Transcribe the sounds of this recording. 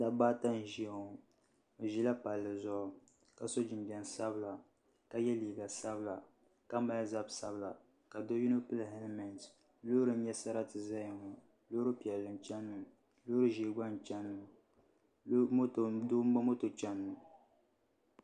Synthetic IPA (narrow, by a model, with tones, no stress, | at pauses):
da˦baː˦ta˦n̩˨ʒi˦˨ŋo˨ | o˨ʒi˦la˦pa˨lːɨ˨zʊ˦ʔʊ˨ | ka˨so˦d͡ʒi˨mbi˨ɛ˨n˨sa˦bɨ˦la˨ | ka˨jɛ˦liː˨ɡa˨sa˦bla˨ | ka˦ma˦lza˦bsa˦bla˨ | ka˨do˦ju˦no˦pɨ˦lhɛ˦nɨ˦mɛ˨nt | lo˦ɾɨ˦n˦ɲɛ˦sa˦ɾa˦tɨ˨za˦jŋo˨ | lo˦ɾɨ˦pi˨ɛ˨lːɨ˨n˨t͡ʃɛ˦nː˦ɨ˨ | lo˦ɾɨ˦ʒi˦ɡ͡ba˦n˨t͡ʃɛ˦nːɨ˨˦˨ | do˦a˦mo˦to˨t͡ʃɛ˦nːu˨